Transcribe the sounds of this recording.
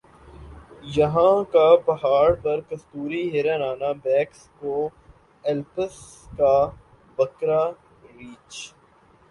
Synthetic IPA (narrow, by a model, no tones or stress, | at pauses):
jɐɦãkabɐɦaːɽpɐɾkɐst̪uːɾiɦɪɾənaːnabɛːksko | ɛlpəs | ka | bɐkɾa | ɾiːt͡ʃ